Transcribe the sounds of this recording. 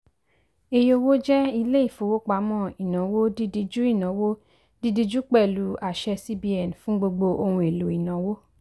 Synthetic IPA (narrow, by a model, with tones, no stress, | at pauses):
e˧jo˧wo˦d͡ʒɛ˦i˧le˦i˦˨fo˨wo˦k͡pa˧˦mɔ̃˦˨i˨nã˨˦wo˦di˦di˧d͡ʒu˦i˦˨nã˨˦wo˦ | di˦di˧d͡ʒu˦k͡pɛ˦˨lu˨˦a˨ʃɛ˧si˦bi˧˦ɛ˨n˨fũ˦ɡ͡bo˧ɡ͡bo˧ʔo˧hũ˧e˨lu˨˦i˨nã˨˦wo˦